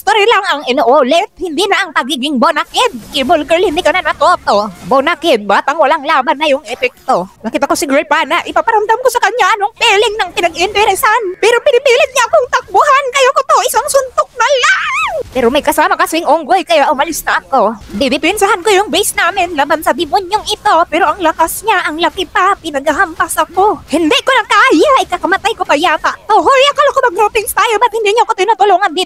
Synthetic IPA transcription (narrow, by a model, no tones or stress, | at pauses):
st̪oɾjalaŋɐŋɪnoʔoːlɛt̪̚hɪnd̪inɐʔɐŋpɐɡiːɡɪŋbonakɪd̪̚kɪbolɡɛlhɪnd̪ikɐnɐnɐt̪ot̪obonakɪd̪̚baːt̪aŋwɐlaŋlaːbanːɐjʊŋʔɛpɛk̚t̪onɐkiːt̪ɐkosɪɡuɾajpaːnaʔɪpapɐɾɐmd̪amkosɐkɐɲaʔɐnoŋpɛlɪŋnɐŋpɪnɐɡɪɪnt̪ɛɾɛsanpɛːɾopɪnɪpilɪt̪̚ɲaʔɐkoŋt̪ɐk̚bʊɦankɐjokot̪oʔɪsaŋsʊnt̪ok̚nɐlaŋpɛːɾomɐjkɐsaːmɐkɐsɪɪŋʔoŋɡojkɐjaʔʊmɐlɪsnɐʔɐko̞bɪbɪpɛnsɐɦankojʊŋbɛjsnaːmɪnlaːbansɐd̪ɪmʊnoŋʔɪt̪o̞pɛːɾoʔɐŋlɐkasɲaʔɐŋlɐkɪpapɪnɐɡ̚haɦampasɐkohɪnd̪ɛkonɐkaʔjaʔɪkakɐmɐt̪ajkopɐjaːpɐʔt̪oɦojɐkɐlakomɐɡɾopɪŋst̪aːjobɐt̪̚hɪnd̪iɲoɐkot̪ɪnot̪ʊloːŋɐnd̪ɪt̪